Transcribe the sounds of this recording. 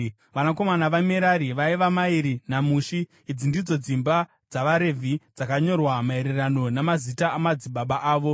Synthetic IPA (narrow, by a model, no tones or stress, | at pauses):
ʋanako̞manaʋameɾaɾiʋaiʋamaiɾinamuːʃiː | d͡zindid͡zo̞d͡zimba | d͡zaʋaɾe̞vʱid͡zakaɲo̞rwamae̞ɾe̞rano̞namazitaamad͡ziɓaɓaʔaːʋo̞